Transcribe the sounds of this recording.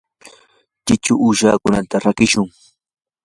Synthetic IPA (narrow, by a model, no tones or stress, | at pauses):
t͡ʃɪt͡ʃʊʔuʃaːkʊnant̪aɾakɪʃʊŋ